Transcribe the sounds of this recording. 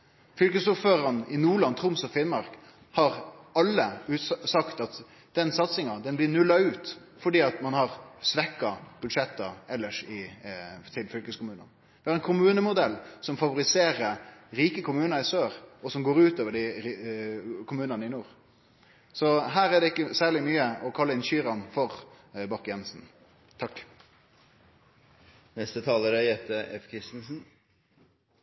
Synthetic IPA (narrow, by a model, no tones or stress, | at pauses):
fʏlkəsuːɾføːɾɑnɪnuːɭɑnt̪ʰʊmsɔfɪnmɑɾk | hɑɾɑlːəʉsɑkt̪ɑt̪ | d̪̥ɛnsɑt̪sɪŋɑd̪ɛnblɪnʉlːɑʉːt̪ | fɔɖiːɑt̪mɑnhɑɾsʋɛkːɑb̥ʉd̪ʂɛt̪ːəɛlːəʂɪ | t̪ʰɪlfʏlkəskʊmʉːnə̰n | ʋɪhɑɾɛnkʰʊmʉːnəmʊd̪ɛlːsɔmfɑʋʊɾɪseːɾəɾiːkəkʰʊmʉːnəɾɪsøːɾɔsɔmɡoːɾʉːt̪oːʋəɖɪ | kʰʊmʉːnɑnəɪnuːɾ | sɔɦæːɾæɖ̪ɛɪkːəsæːɭɪmyːəɔkʰɑlːəɪnʃyːɾɑnfɔɾ | bɑkjɛnsn̩ | t̪ʰɑkː | nɛst̪ət̪ʰɑːləɾæjɛt̪əɛfkʰɾɪst̪n̩sn̩